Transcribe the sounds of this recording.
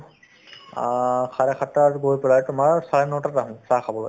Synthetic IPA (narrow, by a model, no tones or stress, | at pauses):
kʰaɹɛkʰatːatɡojpɛlajtʊmaɹsaɹɛnɔtataɦʊ̃sakʰabɔlo̰